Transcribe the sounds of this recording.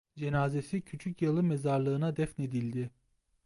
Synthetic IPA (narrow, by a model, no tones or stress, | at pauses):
d͡ʒe̞naːze̞sicʰyt͡ʃʰycjalˠɯmezaɾlˠɯːnad̪ɛfne̞d̪ilʲd̪i